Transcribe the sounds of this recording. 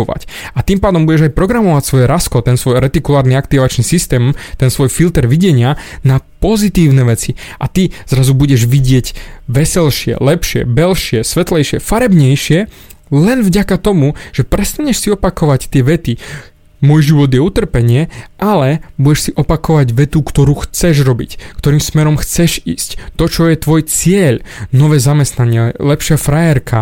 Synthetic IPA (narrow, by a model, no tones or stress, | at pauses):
ɔʋa̰cat̪iːmpaːd̪ɔmbuɟɛʒajpɾɔɡɾamɔʋacsʋɔjɛɾaskɔt̪ɛnsʋɔjɾɛt̪ikulaːɾniakt̪iʋat͡ʃnisist̪ɛːmt̪ɛnsʋɔjfilt̪ɛɾʋiɟɛɲɪanapɔzit̪iːʊnɛʋɛt͡siʔat̪iz̥ɾazubuɟɛʒʋiɟɪɛɟʋɛsɛlʃɪɛ̰lɛpʃɪɛ̰bɛlʃɪɛsʋɛt̪lɛjʃɪɛfaɾɛbɲɛjʃɪɛ | lɛnvɟakat̪ɔmuʒ̥ɛpɾɛst̪aɲɛʃsiɔpakɔʋact̪ɪɛʋɛt̪i | mɔjʒiʋɔd̪jɛut̪r̩pɛɲɪɛʔalɛbuɟɛʃsiʔɔpakɔʋaɟʋɛt̪ukt̪ɔɾuːxt͡sɛʒɾɔbḭckt̪ɔɾiːmsmɛɾɔmxt͡sɛʒḭːsct̪ɔt͡ʃɔjɛt̪ʋɔjt͡sɪɛʎnɔʋɛːzamɛst̪naɲɪɛlɛpʃɪafɾajɛɾkʰa